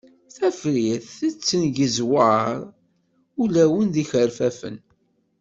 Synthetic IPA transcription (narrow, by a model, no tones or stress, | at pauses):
θæfɾiθθət͡sːənʝəzwɑɾˤ | ulæwənd̪içəɾfæfə̰n